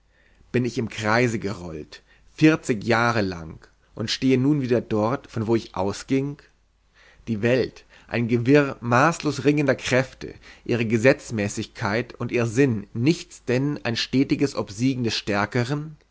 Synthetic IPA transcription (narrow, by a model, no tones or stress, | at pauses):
b̥ɪnɪçɪmkʁ̥aɪzəɡəʁɔ̰lt | fɪɐt͡sɪçjaːʁ̞əla̰ŋ | ʔʊntʃteːənuːnviːdɐdɔɐtfɔnvoːɪçʔa̰ʊsɡ̥ɪŋ | d̥iːvɛlt | ʔa̰ɪnɡəvɪʁmaːsloːsʁɪŋəndɐkʁ̥ɛftʰə̰ʔḭːʁ̞əɡəzɛt͡smɛːsɪçkʰaɪtʊntʔiːʁzɪnːɪçt͡sd̥ɛnʔa̰ɪnʃtɛːtɪɡəsʔɔpz̥iːɡŋ̩dɛsʃtɛɐkəʁ̞ən